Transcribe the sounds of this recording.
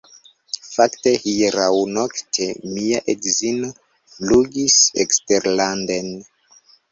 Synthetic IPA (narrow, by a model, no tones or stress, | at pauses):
faktehiɾawnoktʰemiaʔeɡzino | luɡisḛksteɾlanden